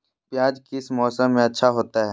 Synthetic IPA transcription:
pjaːd͡ʒkɪsmɔːsəmːẽɐtːʃʰaɦoːt̪aɦɛː

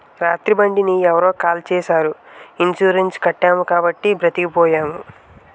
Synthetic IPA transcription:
ɾaːt̪ɾibɐɳɖiniɛʋɐɾo̞ːkaːlt͡ʃɛːʃaːɾuint͡ʃuːɾent͡ʃi̥kɐʈːaːmukaːbɐʈːibɾɐt̪ikipɔːjaːmu

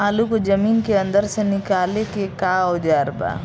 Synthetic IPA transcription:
aːlukod͡ʒɐmiːnkeɐ̃nd̪əɾsenɪkaːlekekaːod͡ʒ̪aːɾba̰ː

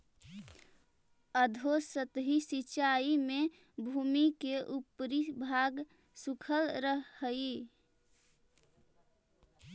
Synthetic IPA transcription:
əd̪ʱosət̪ɦisit͡ʃaime | bʱuːmikeʔupɾibʱaɡ | sukʰəlɾəɦːəi

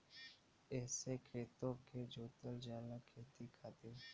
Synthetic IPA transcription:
ɛːsekʰɾeːt̪õked͡ʒoːt̪əld͡ʒaːlakʰeːt̪ikʰaːt̪ɪɾ

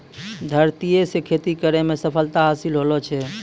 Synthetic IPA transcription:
d̪ʱəɾt̪ijesekʰet̪ikəɾemesəpʰəlt̪aɦasilɦolɔt͡ʃʰɛ

